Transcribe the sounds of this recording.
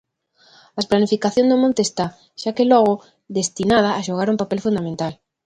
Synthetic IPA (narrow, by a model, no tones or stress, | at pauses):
asplanifikaθjõnzd̪omõnt̪est̪a | ʃakelɔɣ̞ʊ | ðest̪inað̞ɐːʃoɣaɾumpapelfund̪amẽnt̪al